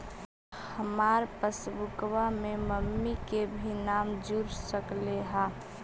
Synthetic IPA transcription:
həmaːɾpəsbʊkwamẽməmːikebʱinaːmd͡ʒuɾsəkleɦaː

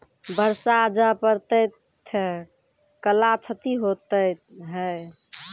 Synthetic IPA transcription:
bəɾsad͡ʒapəɾt̪əjt̪ʰ | kəlat͡ʃʰət̪iɦot̪əjt̪ɦəj

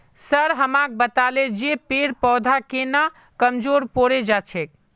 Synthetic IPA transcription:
səɾɦəmãk̚bət̪aled͡ʒepeɾpɔd̪ʱakena | kəmd͡ʒoɾpoɾed͡ʒat͡ʃʰek̚

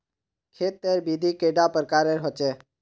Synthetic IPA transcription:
kʰeːt̪̚ːeːɾbiːd̪ʱiːkeːɖaːpəɾkaːɾeːɾɦot͡ʃeː

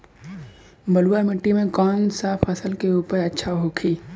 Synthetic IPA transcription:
bəluwamɪʈːimẽkɔːnsaːfʰəsəlkeuːpəɾɐtːʃʰaɦokʰiː

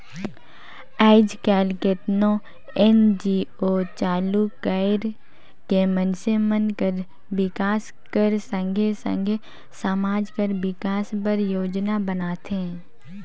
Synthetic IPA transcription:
ɛːɪd͡ʒkɛːlkeːʈ̪nõ | ɛnd͡ʒioːt͡ʃaːlukaːɪɾ | kemənsemə̃nkəɾ | bɪkaːs | kəɾsə̃ŋɡʱesə̰̃ŋɡʱe | səmaːd͡ʒkəɾbɪkaːspəɾjoːd͡ʒnabənaːt̪ɦẽː

